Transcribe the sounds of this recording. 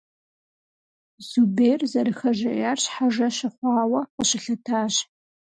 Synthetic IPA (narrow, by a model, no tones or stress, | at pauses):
zubeːrzɐɾɨxɐʒɐʔjaːrɕħaʐɐɕɨχʷɑːwɐqəɕɪɬɐtʰaːʑ